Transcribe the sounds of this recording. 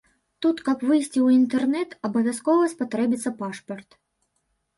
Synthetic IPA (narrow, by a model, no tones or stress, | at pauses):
t̪ut̪kɐpvɨjsʲt͡sʲiwint̪ɛrnɛt̪ɐbɐvʲjaskɔvɐspat̪ɾɛbʲit̪sːɐpaʂpɐrt̪